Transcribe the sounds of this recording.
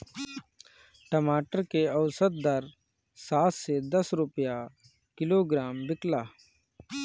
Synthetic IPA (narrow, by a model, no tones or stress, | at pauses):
ʈəmaːʈəɾkeɐʊsət̪̚d̪əɾ | saːt̪sed̪əsɾʊpja | kɪloɡɾaːmbɪklaː